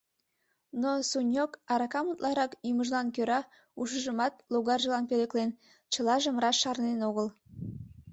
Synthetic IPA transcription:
nosunʲjokɑɾɑkɑmut̪lɑɾɑkjuməʒlˠɑnkøɾɑ | uʃəʒəmɑt̪loɣɑrʒəlɑnpeleklen | t͡ɕəlˠɑʒemrɑʃʃɑrnenoɣəl

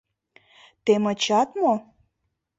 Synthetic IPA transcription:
t̪emət͡ɕɑt̪mo

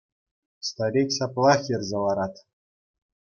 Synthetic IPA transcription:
st̪ɑɾʲetʲsɑplˠɑχjɘ̆rʲzʲĕlˠɑɾɑt̪

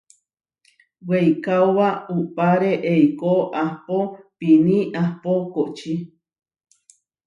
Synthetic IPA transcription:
wejkaoβaupaɾeʔejkoʔahpopinĩʔahpokot͡ʃi

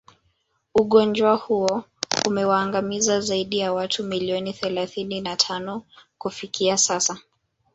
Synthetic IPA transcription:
uɠɔnd͡ʒwahuɔ | umɛwaːŋɡamizazaiɗijawatʰumiliɔniθɛlaθininatʰanɔkufikiasasa

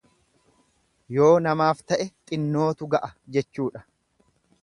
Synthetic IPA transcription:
jo̞ːnɐmaːft̪ɐʔɛt̪ʼɪnːo̞ːt̪ʊɡɐʔɐd͡ʒɛt͡ʃːuːᶑɐ̥

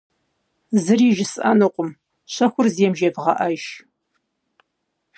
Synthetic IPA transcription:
zɨriːʒɪsʔɐ̰nɨqʷʼʊm | ɕɐxʷʊrzeːmʒebʁɐʔɐʃ

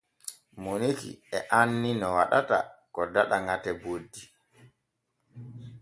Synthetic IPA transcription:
monekḭɛʔanːinɔwaɗata̰kɔdaɗaŋɡatɛbodːi

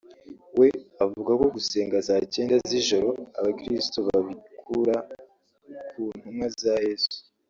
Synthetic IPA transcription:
we̞avuɡako̞ɡuse̞ːŋɡazaːce̞ːndaziʒo̞ɾo̞a̰βakɾistoβaβikʰuɾa | kʰuːn̥humŋazaje̞ːzuu̥

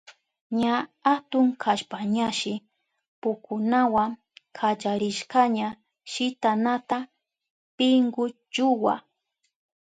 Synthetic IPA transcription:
ɲaat̪ʊŋkʰaʃpaɲaʃɪ | pʊkʊnawaŋ | kʰat͡ʃaɾɪʃkaɲa | ʃɪt̪anat̪a | pɪŋɡʊ | t͡ʃʊwa̰

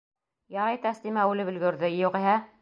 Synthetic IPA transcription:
jɑɾɑjt̪æslimæʉlɘpɵ̆lɡɵ̆ɾðɘjuʁiɦæ

